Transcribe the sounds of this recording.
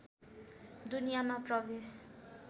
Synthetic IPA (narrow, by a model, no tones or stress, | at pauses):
d̪unijamaprʌbes